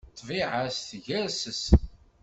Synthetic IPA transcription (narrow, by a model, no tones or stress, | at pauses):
t̪ˤːviʕasθʝæɾsəs